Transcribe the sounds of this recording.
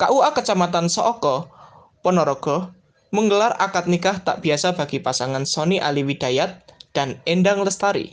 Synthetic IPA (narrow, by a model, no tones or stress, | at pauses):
kaʔuakət͡ʃamat̪ansɔʔɔkɔ | pɔnɔɾɔɡ̥ɔ̤ | məŋɡəlarʔa̰kat̪̚nikaht̪a̰ʔb̥i̤asab̥a̤ɡ̥ipasaŋansɔniʔa̰liwid̪̥ajat̪̚d̥a̤nenɖaŋləst̪aɾḭ